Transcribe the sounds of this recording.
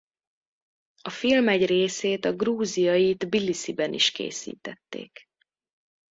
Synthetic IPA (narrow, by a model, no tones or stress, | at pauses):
ɒfilmɛɟreːseːt̪ɒɡruːzijɒjit̪bilisibɛnʔḭʃkḛːsḭːt̪ɛt̪ːḛːk